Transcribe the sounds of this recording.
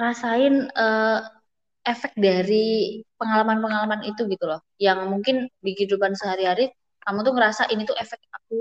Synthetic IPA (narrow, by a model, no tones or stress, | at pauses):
ɾasaɪnə | efɛk̪̚daɾipəŋalamanpəŋalamanit̪uɡit̪ulɔhjaŋmuŋkɪnbiɡidupansəɦaɾiɦaɾi | kamut̪uŋəɾasaʔinit̪uʔefɛk̚ak̚u